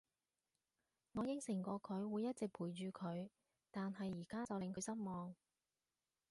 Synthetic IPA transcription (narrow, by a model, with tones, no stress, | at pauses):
ŋɔː˨˧jɪ˥ŋsɪ˨˩ŋkʷɔː˧kʰɵ˨˧ɥwuː˨˧jːɐ˥t̚t͡sɪ˨k̚pʰuː˨˩jt͡ʃyː˨˧kʰɵ˨˧ɥ | t̪aː˨nɦɐ˨jːiː˨˩kaː˥t͡sɐ˨wlɪ˨˧ŋkʰɵ˨˧ɥsɐ˥t̚mɔː˨ŋ